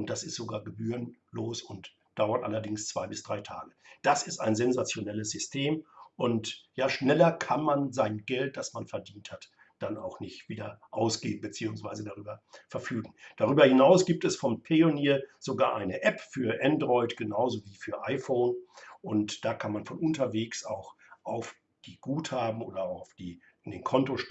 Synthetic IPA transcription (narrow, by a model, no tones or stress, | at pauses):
ʔʊnt̚d̥asɪstz̥oɡaːɐɡəbyːʁənloːsʊnt | d̥aʊɐtʔa̰lɐdɪŋst͡sv̥aɪbɪsd̥ʁaɪtʰa̰ːɡəd̥asɪstaɪnzɛnzat͡sjonɛləs̬z̥ʏstʰeːmʔʊntjaːʃnɛlɐkʰanmanzaɪnɡɛlt̚d̥asmanfɛɐdiːnthat | d̥ana̰ʊxnɪçtv̥iːdɐʔaʊsɡ̥eːbm̩bət͡siːʊŋsv̥aɪzədaʁyːbɐfɛɐfyːɡŋ̩d̥aʁyːbɐhɪnaʊsɡ̥iːp̚tɛsfɔmpʰeoniːɐz̥oɡa̰ːɐʔaɪnəʔɛpfyːɐʔɛndʁɔʏtɡ̥ənaʊzoviːfyːɐʔaɪfoʊnʔʊntd̥aːkʰanmanfɔnʊntɐveːksa̰ʊxʔaʊf | d̥iːɡ̥uːthaːbm̩ʔoːdɐaʊfd̥iː | ndeːnkʰɔntoʃ